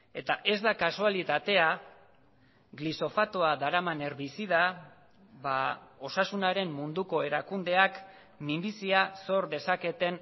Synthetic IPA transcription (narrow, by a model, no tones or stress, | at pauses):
e̞t̪aʔe̞zd̪akasualit̪at̪e̞a | ɡliso̞fat̪oad̪aɾamane̞ɾβisiða | βao̞sasunaɾe̞mːund̪uko̞e̞ɾakund̪e̞ak | mimbisiaso̞ɾde̞sake̞t̪e̞n